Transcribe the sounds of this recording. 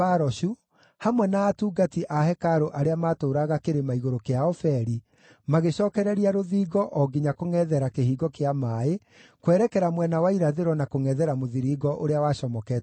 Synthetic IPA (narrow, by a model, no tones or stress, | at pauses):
aɾɔɕu | hamwɛnaːtuːɡatiʔahɛkaɾoʔaɾeamaːtoːɾaɣakeɾemaiɣoɾokeaɔfɛɾi | maɣeɕɔːkɛɾɛɾiaɾoðiːɡɔʔɔɡiɲakoŋɛðɛɾakehiːɡɔkeamaːe | kwɛːɾɛkɛɾamwɛnawaiɾaðeɾɔnakoŋɛðɛɾamoðiɾiːɡɔʔoɾeawaːɕɔmɔkɛ